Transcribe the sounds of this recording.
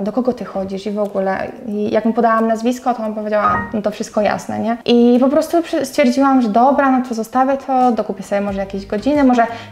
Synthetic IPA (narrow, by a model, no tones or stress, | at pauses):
d̪ɔkɔɡɔt̪ɘxɔd͡ʑiʂivɔɡulɛ̰ijakmupɔd̪awamnazvʲiskɔt̪ɔnampɔvʲed͡ʑawamnɔt̪ɔfʂɘst̪̚kɔja̰snɛ̰ɲɛʔipɔpɾɔst̪upʂɛst̪fʲjɛɾd͡ʑiwamʐɛd̪ɔbɾanɔt̪ɔzɔst̪avʲjɛt̪ʰɔd̪ɔkupʲɛsɔbʲjɛmɔʐɛjakʲeʑɡɔd͡ʑinɘmɔʐɛ